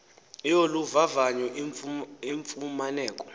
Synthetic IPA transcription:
joluvavaɲɛ | iɱfumanɛːkʼɔ̥

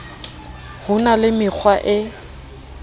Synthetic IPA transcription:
hʊnalɪmɪk͡xʰwaʔɪ

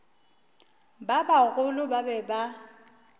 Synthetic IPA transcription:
babaɣʊlʊbabɛba

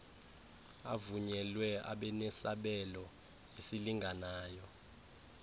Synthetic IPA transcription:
avuɲɛlwɛa̰ɓɛnɛsaɓɛlɔ | esiliŋʱanaːjɔ

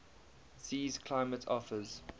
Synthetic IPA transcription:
siːz̥kʰl̥aɪmətʰɔfəz̥

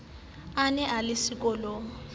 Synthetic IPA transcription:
anɛʔalɪsik̬ʼɔlɔ

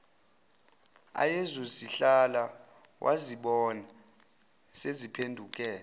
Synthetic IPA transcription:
a̰jɛzosiɬala | wʔa̰ziɓɔna | sezipʰendʱuk̬ʼɛː

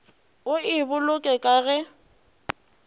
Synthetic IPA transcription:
ʊɪbʊlʊkʼɛkʼaɣɛ

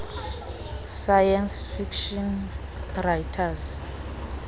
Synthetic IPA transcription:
sajansfikʃɔn | rajtʰaz

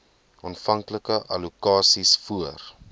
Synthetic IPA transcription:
ɑːnfɐŋkləkəʔɐlukɑːsisfuər

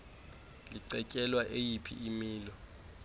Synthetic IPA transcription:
liǀɛcʼɛlwaʔejipʰḭʔimiːlɔ

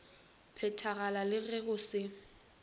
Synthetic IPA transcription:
pʰɛtʰaɣalalɪɣɛɣʊsɪ

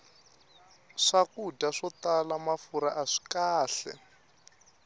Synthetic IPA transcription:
ʂakudaʂɔtalamafuɾaʔaʂi̥kaːɬɛ̰

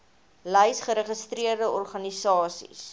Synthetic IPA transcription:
ləjsχəɾəχəstriərdəɔrχɐnisɑːsḭs

